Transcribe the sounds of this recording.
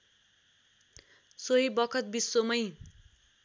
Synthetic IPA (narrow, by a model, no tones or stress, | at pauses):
soɦibʌkʰʌt̪̚bisːomʌj